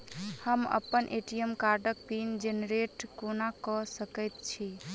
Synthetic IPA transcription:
həmə̰pːənʔeʈijəmkaɾɖək̚pind͡ʒeneɾeʈkonakɔsəkəjt̪t͡ʃʰi

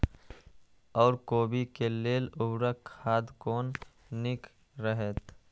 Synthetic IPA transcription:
ɔːɾkoːbikeleːlʊbɾakʰaːd̪koːnː | ɪk | ɾəɦet̪

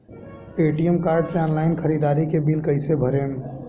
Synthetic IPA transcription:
eʈijəmkaːɾɖsẽanlaɪnkʰəɾid̪aːɾikebilkəɪsebʱəɾem

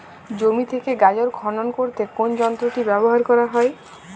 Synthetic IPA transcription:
d͡ʑomit̪ʰekeɡad͡ʑoɾɡʱɔnonkoɾt̪ekond͡ʑɔnt̪ɾoʈibɛboɦaɾkɔɾaɦɔe

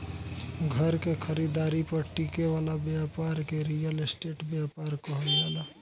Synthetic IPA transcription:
ɡʱəɾkekʰəɾid̪aːɾipəɾʈikeʋalabjapaɾkeɾijəlsʈeːʈbjapaɾkəɦənala

